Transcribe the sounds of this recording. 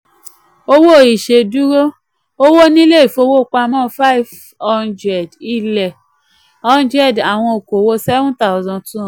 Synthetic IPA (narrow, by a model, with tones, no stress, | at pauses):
o˦wo˦˨i˨ʃe˧du˦ɾo˦ | o˦wo˦nĩ˦le˦i˨fo˧˦wo˦˨k͡pa˧mɔ̃˦fa˦i˨v | ɔ˦ndɾɛ˨di˦˨lɛ˨ | ɔ˦ndɾɛ˦˨da˨w̃ɔ̃˧o˨ko˨wo˦sɛ˦vɔ̃˦nta˦ʊ˨zɔ̃˧tũ˦˨